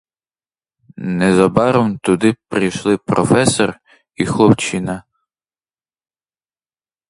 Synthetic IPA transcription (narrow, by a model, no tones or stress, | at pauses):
nɛzɐbɑɾɔmt̪ʊd̪ɪpɾijʃlˠɪpɾɔfɛsɔr | ixlˠɔpt͡ʃinɐ